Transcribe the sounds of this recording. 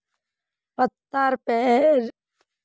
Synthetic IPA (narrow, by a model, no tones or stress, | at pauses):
pət̪ːaɾpɛɾ